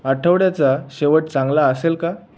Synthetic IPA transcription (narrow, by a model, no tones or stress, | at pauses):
əʈʰəʋɽjat͡saɕeʋəʈ̚t͡sãŋɡlaəselka